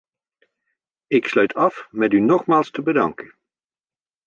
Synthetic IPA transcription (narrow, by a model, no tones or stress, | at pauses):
ɪkslœɥtʰɑfmɛtynɔχmaːlˠstəbədɑ̰ŋkə